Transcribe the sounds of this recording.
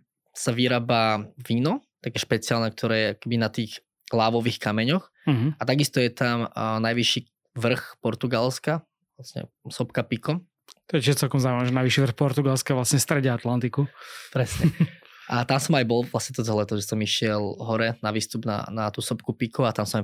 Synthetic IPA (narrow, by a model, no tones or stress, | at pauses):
saʋiɾaːbaːʋiːnɔt̪akɛːʃpɛt͡sɪaːlnɛk̚t̪ʰɔɾɛːjɛakkɛbinat̪iːɣ | laːʋɔʋiːxkamɛɲɔx | ɦ̩at̪aɡist̪ɔjɛt̪amnajʋiʃiː | ʋr̩xpɔɾt̪uɡalska | ʋlasɲɛ̰sɔpkapikɔ | t̪ɔɛcɪʒɛt͡sɛlkɔmzaːuimaʋɛʒɛnajʋiʃiʋɾr̩xpɔɾt̪uɡalskɛʋlasɲɛst̪ɾɛɟɛat̪lant̪ikupɾɛsɲɛʔat̪amsɔmajbɔlˠʋlasɲɛt̪ɔd͡zɛlɛt̪ɔʒɛsɔmiʃɪɛlˠɦɔɾɛnaʋiːst̪ubna̰nat̪uːsɔpkupikuat̪amsɔma